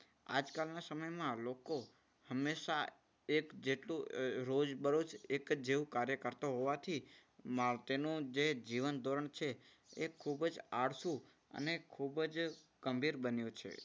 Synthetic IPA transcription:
a̰d͡ʒkalnasəməjmãloko | həmːeʃa | ekd͡ʒeʈlũɾod͡ʒbəɾut͡ʃekd͡ʒeʋũkaɾjəkəɾt̪oɦoʋat̪ʰimat̪enũd͡ʒed͡ʒiʋənd̪ʱoɾəɳt͡ʃʰe | ekʰubd͡ʒaɽsũ | ə̰nekʰubd͡ʒɡ̥əmbʱiɾbənjũt͡ʃʰḛ

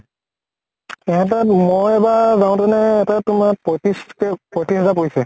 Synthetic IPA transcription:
ɛɦɛ̃tamojɛbazaw̃tɛnɛːtatʊmapɔtiskɛpotiɦɛzap̬oisɛ

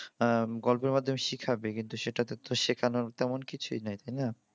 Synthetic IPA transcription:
ɡɔlpeɾmad̪ʱːomeʃikʰabekint̪uʃeʈat̪t̪oʃekʰanoaɾt̪ɛmonkit͡ɕʰujnajt̪ajna

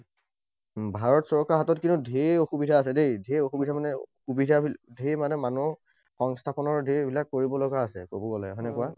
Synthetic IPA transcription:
bʱaɹɔtsɔɹkaɹɦatɔtkinudʱeoxubidʱaːs̬ɛdejdʱeoxubidʱamanɛxubidʱabidʱemanɛmanu | xɔŋstʰapɔnɔɹdʱebilakːoɹibɔlɔɡaːsɛ̰kobɔɡɔlɛɦɔjnɛkua

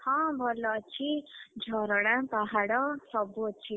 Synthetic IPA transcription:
hɔ̃bʱʌlʌt͡sʰid͡zʱɔɾɔɽ̃ãpaɦaɽʌ̃sʌbot̪̚t͡sʰi

